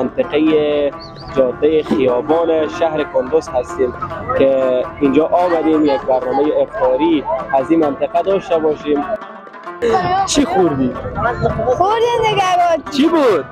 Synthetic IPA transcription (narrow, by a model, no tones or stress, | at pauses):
ant̪ɪqeje | d͡ʒɔd̪ːajexijɔbɔneʃahɾɪkʊnd̪ʊshast̪emkeind͡ʒɔʔɔmad̪emjaɡ̚baɾnɔmajeːfɔɾiazimant̪ɪqad̪ɔʃt̪abɔʃim | t͡ʃʰixuɾd̪i | xʊɾd̪id̪eɡabɔt͡ʃʰibud̪̚